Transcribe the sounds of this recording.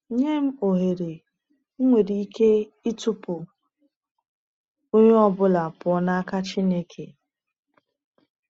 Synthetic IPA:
ɲe˦m̩˦o˨ɦe˨ɾe˨˦ | ŋʷe˨ɾi˨i˦ke˦ | i˦tʊ˦pʊ˨ | o˦ɲe˦ɔ˦bʊ˦la˨pɔ˨na˦a˦ka˦t͡ʃi˦ne˦kʰe˨

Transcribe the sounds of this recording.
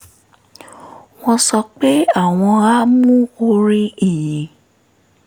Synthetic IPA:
w̃ɔ̃˧sɔ˧k͡pe˦a˦˨w̃ɔ̃˧a˦mũ˦o˧ɾi˦i˨jĩ˨

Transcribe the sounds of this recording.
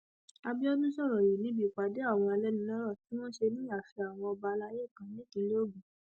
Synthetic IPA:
a˧bi˦ɔ˦dũ˦sɔ˦˨ɾɔ˨ji˨nĩ˨˦bi˦˧˨k͡pa˨de˨˦a˦˨w̃ɔ̃˧a˧lɛ˦nĩ˧lɔ̃˦ɾɔ˦˨ti˨˦w̃ɔ̃˦ʃe˧nĩ˦a˦˨fi˧a˨w̃ɔ̃˧ɔ˧ba˧la˧˦je˦˨kã˨nĩ˦ki˧˦lo˦o˦˨ɡũ˨

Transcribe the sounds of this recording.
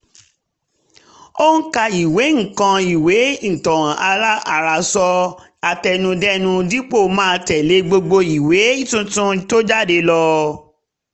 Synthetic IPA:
o˦ũ˦ka˧i˨we˨˦ŋ̩˨kã˧i˨we˨˦n̩˨tɔ̃˨w̃ã˨ʔa˧la˦a˨ɾa˨sɔ˧ | a˧tɛ˧nũ˧dɛ˦nũ˧di˦k͡po˦˨mãː˦˧tɛ˨le˨˦ɡ͡bo˧ɡ͡bo˧i˨we˨˦i˦tũ˧tũ˦i˨to˦d͡ʒa˦˨de˧lɔ˧

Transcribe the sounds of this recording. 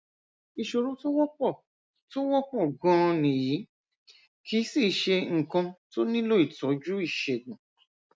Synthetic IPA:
i˧ʃo˧ɾũ˨˦to˦wɔ˦k͡pɔ˦˨ | to˦wɔ˦k͡pɔ˦˨ɡã˧˦˧nĩ˨ji˨˦ | kʰi˦si˦˨ʃe˧ŋ̩˨kã˧to˦nĩ˦lo˦i˦˨tɔ˨˦d͡ʒu˦i˦˨ʃe˨ɡũ˨

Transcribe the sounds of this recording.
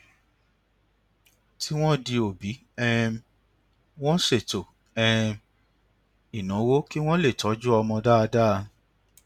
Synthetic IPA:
ti˦w̃ɔ̃˦di˧o˨bi˨˦ | ɛ˦ | w̃ɔ̃˦ʃe˦˨to˨ | ɛ˨ | i˨nã˨˦wo˦ki˦w̃ɔ̃˦le˦˨tɔ˨˦d͡ʒu˦ɔ˧mɔ̃˧da˦˧da˦˧

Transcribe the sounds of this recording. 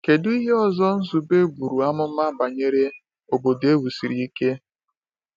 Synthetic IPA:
ke˨du˦i˦ɦe˦ɔ˦zɔ˦n̩˦zu˨be˦bu˨ɾu˨a˦mʊ˦ma˦ba˨ɲe˦ɾe˦ | o˨bo˨de˦wu˨si˨ɾi˨i˦ke˦

